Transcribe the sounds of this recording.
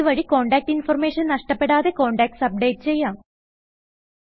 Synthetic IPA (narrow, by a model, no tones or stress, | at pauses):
uʋɐɻiko̞ːɳɖaːk̚ʈinfɐrmeːʂɐnnɐʂʈɐpːe̞ɽaːðe̞ko̞ːɳɖaːk̚ʈsɐp̚ɖe̞ːʈːɨt͡ɕe̞jːaːm